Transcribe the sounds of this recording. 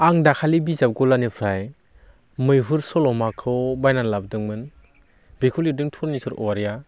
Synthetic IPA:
aŋdakʰalibizap̚ɡɔlanɯpʰɾaj | mɯjɦuɾsɔlɔmakʰɯwbajnanlab̚dɯŋmɯn | bikʰulidɯŋtʰuɾnisɯɾɔaɾja

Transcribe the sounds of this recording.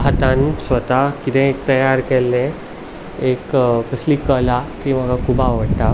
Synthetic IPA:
ɦat̪ansʋət̪akit̪ɛ̃ek̚t̪əjaɾkelːẽ | ekkəsliːkəlakim̤əɡakʰubaʋəɽʈ̪a

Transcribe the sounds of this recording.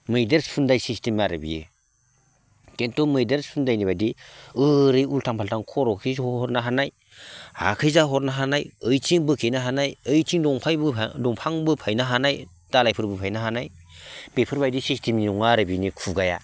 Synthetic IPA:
mɯjdeɾspʰundajsistimaɾɯbḭjɯ̰ | kentɔmɯjdeɾspʰundajnibajdiɯɾɯjultʰaŋpʰaltaŋkʰɔɾɔkʰijzɔɾnaɦanaj | ha̰kʰɯjzaɦɔtnaɦanajɯjtʰiŋbɯkʰejnaɦanajɯjtʰiŋdɔŋpʰajbɯdɔŋpʰaŋbɯpʰajnaɦanaj | d̥alajpʰɯɾbɯpʰajnaɦanaj | b̥epʰɯɾbajdisistimiɔŋaɾɯbinikʰuɡaja̰

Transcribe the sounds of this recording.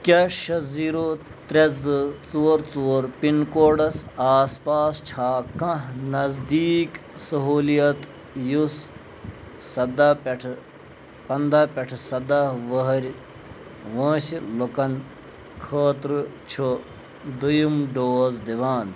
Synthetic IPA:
kʲɐʃɐziːɾot̪ɾɐzɨt͡suːɾt͡suɾpinkoːɖɐsaːspaːst͡ʃʰaːkɐ̃nɐzd̪iːksɐɦuːlijɐt̪ | jusː | ɐd̪ɐpɐʈʰ | pɐnd̪aːpʲɐʈʰsɐd̪aʋɐɦɐɾʲ | ʋɐ̃ːsilokɐn | kʰɐːt̪ɾɨt͡ʃʰo | d̪ujumɖoːzd̪iʋaːn

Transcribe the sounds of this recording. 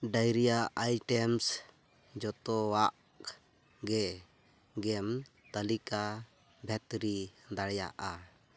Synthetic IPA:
ɖajɾijaʔajʈɛms | d͡ʒɔt̪ɔwaʔ | ɡɛ | ɡɛm | t̪əlika | bʱɛt̪ɾid̪aɽja̰ʔa

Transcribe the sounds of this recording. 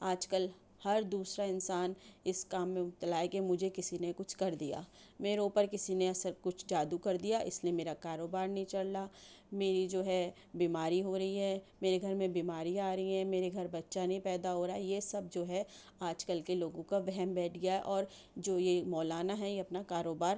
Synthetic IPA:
aːd͡ʒkəl | hɐɾd̪uːsɾaɪnsaːnɪskaːmːẽʊt̪ːəlaːekemʊd͡ʒʱekɪsinekʊt͡ʃʰkɐɾd̪ija̰ː | meːɾeʊpəɾkɪsineɐsəɾkʊt͡ʃʰd͡ʒaːd̪ukɐɾd̪ijaʔɪ̰sliemeːɾakaːɾoːbaːɾnɐɦĩt͡ʃɐɽlaː | meːɾid͡ʒoːɦɛ | biːmaːɾiɦoɾɐɦiɦɛːmeːɾeɡʱɐɾmẽbiːmaːɾĩaːɾɐiɦɛ̃meːɾeɡʱɐɾbɐtːʃanɐɦĩpɛːd̪aɦoːɾaɛjesɐb̚d͡ʒoːɦɛ | aːd͡ʒkəlkeloːɡõkaʋɛɦɛmbɛːʈʰɡɐjaɦɛʔɔːɾ | d͡ʒoːjemɔːlaːnaɦɛjeɐpnakaːɾoːbaːɾ

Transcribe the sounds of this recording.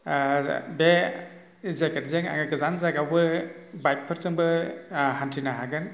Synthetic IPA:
be | zeketzeŋa̰ŋɯɡɯzanzaɡawbɯ | bajp̚ʰːɯɾsɯŋbɯɦantʰinaɦaɡɯn

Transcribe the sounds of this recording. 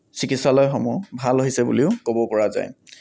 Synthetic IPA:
sikitsalɔjxɔmubʱaloɦisɛbṵliʊkobɔpɔɹaza̰j

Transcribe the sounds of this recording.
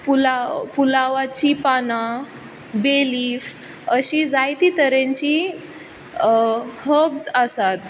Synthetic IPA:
pulapulaʋat͡ɕipana | beliːf | əɕid͡zajt̪iːt̪əɾeɲt͡ɕi | həbsəsat̪

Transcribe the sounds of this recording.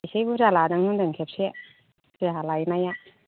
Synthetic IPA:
jsejbuzaladaŋhundaŋkʰep̚sie | aalajnaja

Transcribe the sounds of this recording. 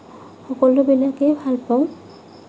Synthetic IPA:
hɔkolobelakebʱalpaw̃

